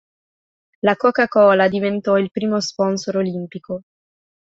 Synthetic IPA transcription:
lakɔkakɔːlad̪ivent̪ɔilpɾiːmospɔnsoɾolimpiko

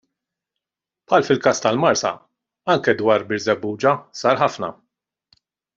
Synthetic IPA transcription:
pħɐːlfɪlkɐːst̪ɐlmɐɾsɐ̰ | ɐŋkɛd̪wɐːɾbɪɾzɛbːuːd͡ʒɐsɐːɾħɐfnɐ̰

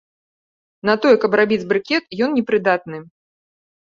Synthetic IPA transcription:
nɐt̪ɔjɛkɐbrabʲid͡zʲbɾɨkʲɛt̪jɔnnʲɛpɾɨd̪at̪̚nɨ

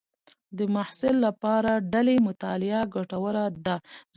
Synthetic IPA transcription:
d̪əmahsɪlːapɑɾaɖalemʊt̪ɑlɪaɡaʈawəɾad̪a

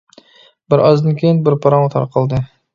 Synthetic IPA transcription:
bɪɾɒzd̪ɪnkʲʰejnbɪɾpʰɑɾɑmt̪ʰɑ̰ɾqʰəlˠd̪ɪ

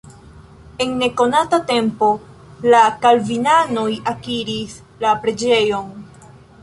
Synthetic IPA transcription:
e̞nːe̞ko̞natate̞mpo̞ | lakalvinano̞jakiɾis | lapɾe̞d͡ʒe̞jo̞n

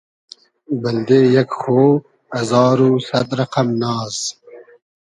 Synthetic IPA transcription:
bɐld̪eːjɐkxow | ɐzɑːɾuːsɐd̪ɾɐqamnɑːs

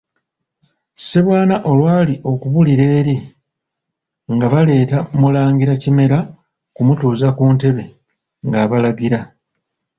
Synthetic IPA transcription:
seβwaːnaʔo̞lwaːliʔo̞kuβuliɾe̞ːɾi | ŋɡaβale̞ːtamulaːŋɡiɾacime̞ɾa | kumutuːzakuːnte̞βe̞ | ŋɡaβalaɡiɾa

